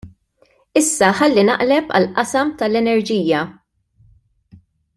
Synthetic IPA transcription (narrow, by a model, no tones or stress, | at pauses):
ɪsːɐħɐlːinɐ̰ʔlɛpɐ̰lʔɐsɐmt̪ɐlɛnɛɾd͡ʒiːjjɐ